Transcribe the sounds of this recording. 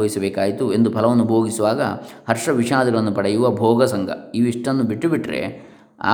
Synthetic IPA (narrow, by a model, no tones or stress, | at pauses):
ɐʋisɐbɛːkaːjit̪ue̞nd̪upʰɐlɐʋɐnːubʱoːɡisuʋaːɡɐ̰hɐɾʂɐʋiʃaːd̪ɐɡɐɭɐnːupɐɽejuʋɐbʱɔːɡɐsɐŋɡʱɐ̰iʋiʂʈɐnːubiʈːubiʈːɾḛ | a̰ː